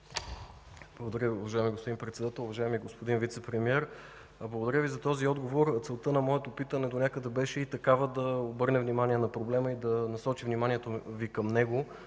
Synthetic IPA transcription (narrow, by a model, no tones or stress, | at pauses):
blˠəɡod̪ɐɾjəʊvɐʒaɛmiɡospod̪inpɾɛt̪sɛd̪at̪ɛlˠʊvɐʒaɛmiɡospod̪invit̪sɛpɾɛmiɛɾ | blˠəɡod̪ɐɾʲəvizɐt̪ɔziɔd̪ɡovoɾt̪sɛlˠt̪ənɐmɔɛt̪opit̪ənɛd̪onʲakəd̪ɛbɛʃɛit̪ɐkavəd̪ɐobɤɾnɛvnimaniɛnɐpɾoblɛməid̪ɐnɐsɔt͡ʃivnimaniɛt̪ovikɐmnɛɡo